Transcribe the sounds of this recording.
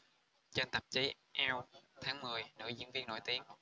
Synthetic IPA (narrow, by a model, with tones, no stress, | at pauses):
t͡ɕe˧nt̪ə˨˩p̚t͡ɕi˨˦ | ʔɛ˧wt̪ʰaː˨˦ŋmɨ˨˩əjnə̰ː˧˥jzɨ̰˧˥ənvi˧ənːo̰˧˨jt̪i˧əŋ